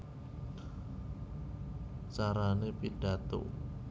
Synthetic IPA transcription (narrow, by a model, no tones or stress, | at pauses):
t͡ʃaɾanepid̥a̤t̪o̰